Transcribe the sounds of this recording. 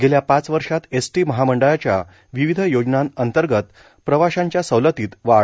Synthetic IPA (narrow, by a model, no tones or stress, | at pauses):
ɡeljapãt͡sʋəɾʂat̪esʈiməɦaməɳɖəɭat͡ɕja̰ | ʋiʋid̪ʱəjod͡ʑnanənt̪əɾɡət̪ | pɾəʋaɕaɲt͡ɕjasəwlət̪iːt̪ʋaɭ